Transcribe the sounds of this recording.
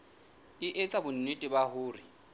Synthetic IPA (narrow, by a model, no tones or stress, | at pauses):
ɪʔet͡sʼabʊn̩netʼɪbahʊːrɪ